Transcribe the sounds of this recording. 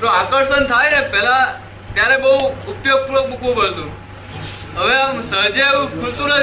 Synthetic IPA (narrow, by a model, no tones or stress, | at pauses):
t̪oakəɾʃənt̪ʰajnepɛla | t̪jaɾebəɦuʊpjoɡ̚puɾoɡ̚mukʰʋũpəɭt̪ũ | ɦəʋeamsəɦd͡ʒeʋũkʰult̪ũnə